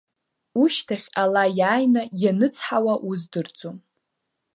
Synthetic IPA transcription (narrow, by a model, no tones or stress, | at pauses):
uʃtʰaχʲalajaːjnajanɨt͡sʰħawaʔuzdɨrd͡zʼom